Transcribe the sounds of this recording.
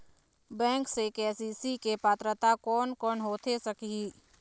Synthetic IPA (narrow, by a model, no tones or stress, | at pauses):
bɛ̃ːŋksekeːsisikepaːt̪ɾət̪akɔːnkɔːnɦoːt̪ʰesɐkii